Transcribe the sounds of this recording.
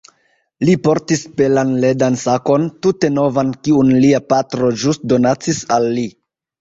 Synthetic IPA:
lipo̞ɾtispe̞lanle̞dansako̞ntute̞no̞vankiunliapatɾo̞d͡ʒustdo̞nat͡sisalːi

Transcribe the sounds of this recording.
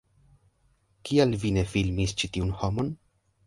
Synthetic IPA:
kialvine̞filmist͡ʃitiunhomo̞n

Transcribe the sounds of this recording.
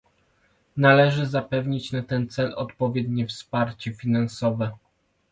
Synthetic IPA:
nalɛʐɘzapɛvɲit͡ɕnat̪ɛnt̪sɛlɔ̰t̪pɔvʲjɛd̪ɲɛfspaɾt͡ɕɛfʲinansɔvɛ

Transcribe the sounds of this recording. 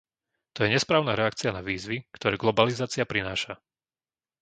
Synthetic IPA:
t̪ɔjɛɲɛspɾaːʊnaɾɛakt͡sianaʋiːzʋikt̪ɔɾɛːɡlɔbalizaːt͡siapɾinaːʃa

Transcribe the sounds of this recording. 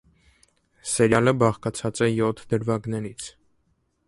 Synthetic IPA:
sɛɾjɑləbɑχkɑt͡sʰɑt͡sɛjɔt̪ʰd̪əɾvɑɡnɛɾit͡sʰ

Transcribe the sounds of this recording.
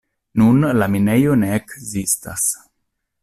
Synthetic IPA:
nunlamine̞jo̞ne̞ːkzista̰s

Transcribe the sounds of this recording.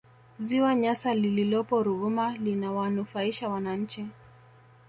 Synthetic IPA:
ziwaɲasalililɔpɔɾuɣumalinawanufaiʃawanaɲ̩t͡ʃi

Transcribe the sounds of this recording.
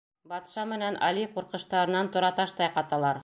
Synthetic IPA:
bɑt̪ʃɑmɘ̆nænʔɑ̰liquɾqɤ̆ʃt̪ɑɾɤ̆nɑnt̪ŏɾɑt̪ɑʃt̪ɑjqɑt̪ɑlˠɑɾ

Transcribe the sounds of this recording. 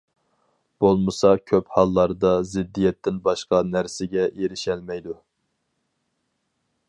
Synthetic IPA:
b̥olˠmɨsɑkʲʰøphɑlˠːɑɾd̪ɑzɪd̪ːijɛt̪ʰːɪnbɑʃqɑnæɾsɪɡʲɛʔeɾɪʃɛlmɛjd̪u

